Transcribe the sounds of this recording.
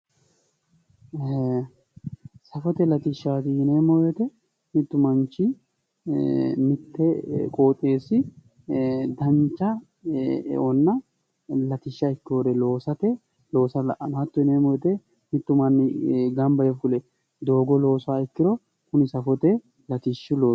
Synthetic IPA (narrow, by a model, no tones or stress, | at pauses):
sɐfɔt̪ɛlɐt̪ɪʃːaːt̪ɪɪnemojɔt̪ɛ | mɪt̪ːʊmɐnt͡ʃːɪ | mɪt̪ːɛkʼoːt̪ʼe̞ːsɪ | d̪ɐnt͡ʃːɐ̰ | ʔɔnːɐ | lɐt̪ɪʃːɐɪkːɪoːɾɛlo̞ːsɐt̪ɛ | lo̞ːsɐlɐʔɐnɐt̪ːʊɪneːmɔjɔt̪ɛ | nɪt̪ːʊmɐnːɪɡɐmbɐjɛfʊlɛ | d̪o̞ːɡɔlo̞ːsaːɪkːɪɾɔ | kʊnɪsɐfɔt̪ɛ | lɐt̪ɪʃːʊloː